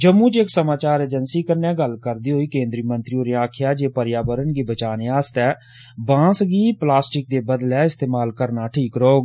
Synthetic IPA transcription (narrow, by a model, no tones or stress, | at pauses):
d͡ʒəmːũːt͡ʃɪksəmaːt͡ʃaːɾeːd͡ʒənsiːkəɾnɛ̃ːɡəlkəɾd̪iːɦoːiːkẽːnd̪ɾiːmənt̪ɾiːõːɾeãːkʰɪjaːd͡ʒeːpəɾjaːbəɾənɡiːbət͡ʃaːneːaːst̪ɛː | bãːsɡiːplaːsʈɪk̚d̪eːbəd̪lɛːɪst̪eːmaːlkəɾnaːʈʰiːkɾoːɡ